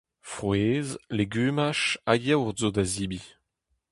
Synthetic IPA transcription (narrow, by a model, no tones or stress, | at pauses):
fʁweːzleɡyːmaʃajɛwʁzod̪azibi